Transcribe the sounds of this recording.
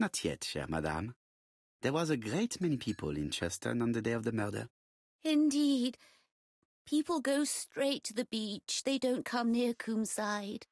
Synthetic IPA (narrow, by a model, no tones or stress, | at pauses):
nətʰjɛ̰tʃɛ̰ɹma̰da̰m | ðɛwɑzəɡɹeɪtmɛnipʰipʰə̰lˠɪ̰̃nt͡ʃʰɛstʰə̰nə̃nðədeɪɔvðəmɜdə̰˞ | ɪ̃ndid̥ | pʰipl̩ˠɡoʊstɹ̥eɪtʰɨðɨbit͡ʃðeɪdõʊ̃nkʰʌ̃mnɪɹkʰũmsaɪd̥